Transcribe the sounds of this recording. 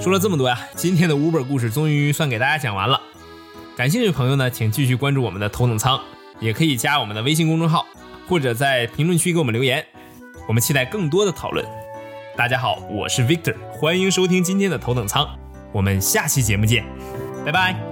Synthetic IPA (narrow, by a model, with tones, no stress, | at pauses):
ʂwɔ˥lə˧ʈ͡ʂə˥˩mə˩wɔ˥ja˧t͡ɕi˥nt̪ʰjɛ˥nd̪ə˨u˧˥pə˞˨˩ku˥˧ʂ̬ɻ̩˥˩t͡sʊ˥ŋy˧˥swa˥˩nke˨˩ɪt̪a˥˩ja˥t͡ɕjɑ˨˩ŋwa̰˧˥nlə̰˧ | ka˨˩nɕjɛ˥˧ʈ͡ʂɤ˥˩pʰɤ˧˥ŋjo˧ʊnə˩t͡ɕʰi˨˩ŋt͡ɕi˥˧ɕ̬y˥˩kwa˥nʈ͡ʂu˥˩wɔ˨˩ə˦nd̪ə˧t̪ʰo˧˥ʊt̪ɤ˨˩ŋt͡sʰɑ˥ŋ | jɛ˨˩kʰɤ˧˥i˨˩t͡ɕja˥wɔ˨˩mə˦nd̪ə˧e˥ɪɕ̬i˥˧kʊ˥ŋʈ͡ʂʊ˥˧ŋxɑ˥˩ʊ | xwɔ˥˩ʈ͡ʂɤ˨˩t͡sa˥˩ɪpʰi˧˥ŋlwə˥˧nt͡ɕʰy˥ke˧˥wɔ˨˩ə˦nljo˧˥ʊjɛ˧˥n | wɔ˨˩mə˦nt͡ɕʰi˥t̪a˥˧ɪkɤ˥˩ŋt̪̬wɔ˥d̪ə˨t̪ʰɑ˨˩ʊlwə̰˥˩nt̪a˥˩t͡ɕja˥xɑ˨˩˦ʊwɔ̰˨˩ʂɻ̩˥˩wi˥k̚t̪ʰə˨˩xwa˥ni˧˥ŋʂo˥ʊt̪ʰi˥ŋt͡ɕi˥nt̪ʰjɛ˥nd̪ə˨t̪ʰo˧˥t̪ɤ˨˩ŋt͡sʰɑ˥ŋ | wɔ˨˩mə˦nɕja˥˩t͡ɕʰi˥˩t͡ɕjɛ˧˥mu˥˩t͡ɕjɛ˥˩n | ta˥˩ɪba˥˩ɪ